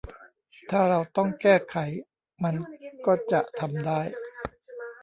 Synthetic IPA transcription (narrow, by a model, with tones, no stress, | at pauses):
t̪ʰaː˥˩ɾa˧wt̪ɔ˥˩ŋkɛː˥˩kʰa˩˦j | ma˧nkɔː˥˩t͡ɕa˨˩ʔt̪ʰa˧mdaː˥˩j